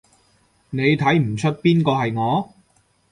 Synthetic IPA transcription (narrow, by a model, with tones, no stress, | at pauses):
ne˨˧jt̪ʰɐ˨˥jm̩˨˩t͡ʃʰɵ˥t̚piː˥nkɔː˧ɦɐ˨jŋɔː˨˧